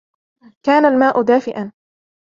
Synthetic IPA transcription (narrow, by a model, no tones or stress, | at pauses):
kaːnalmaːʔʊd̪aːfɪʔan